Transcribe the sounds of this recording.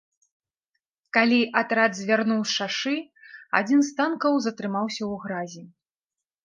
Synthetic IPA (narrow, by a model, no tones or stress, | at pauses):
kalʲiʔat̪ɾad̪zʲvʲarnuwsʂaʂɨa̰d͡zʲinst̪ankɐwzɐt̪ɾɨmawsʲɐwɣɾazʲi